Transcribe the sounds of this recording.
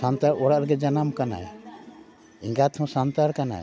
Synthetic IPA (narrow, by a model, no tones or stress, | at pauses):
sant̪aɾɔɽaʔɾɡɛd͡ʒanamkana̰j | ĩŋɡat̪ʰɔ̃sant̪aɾkana̰j